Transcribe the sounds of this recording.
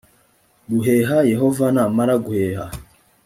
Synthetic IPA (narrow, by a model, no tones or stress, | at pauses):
ɡuɦeːɦajeɦo̞vanaːmaɾaɡuheːha